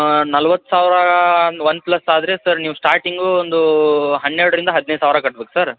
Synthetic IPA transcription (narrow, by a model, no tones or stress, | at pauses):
nɐlʋɐt̪ːu̥saːʋɾɐʋɐnːplɐsːaːd̪ɾe̞ːsɐɾniːʋusʈaːɾʈiŋɡuond̪uɦɐnːeɾɽɐɾind̪ɐɦɐd̪nejsaːʋɾɐkɐʈ̚beːku̥sɐɾ